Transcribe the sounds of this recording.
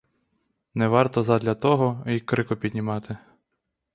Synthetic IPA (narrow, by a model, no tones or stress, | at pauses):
nɛʋɑrt̪ɔzɑd̪ʲlʲɐt̪ɔɦɔikɾɪkɔpʲid̪ʲnʲimɑt̪ɪ